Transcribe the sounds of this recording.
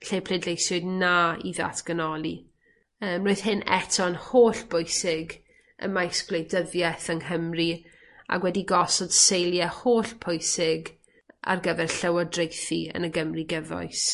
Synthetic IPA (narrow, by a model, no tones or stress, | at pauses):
ɬeːpʰl̥edlejsʊɨdnaḭða̰tʰɡ̥ənɔlˠi | əːmroɨð̥hɪnɛ̰tʰɔnhoːɬb̥ʊɨsɪɡ | ə̰majsɡ̥lˠejdəðjɛθənɦəmri | a̰ɡwɛdiɡɔsɔd̥sejlˠjahoːɬpʰʊjsɪɡ | a̰rɡəvɛrɬəwɔdrejθiə̰nəɡəmriɡɛvɔ̰js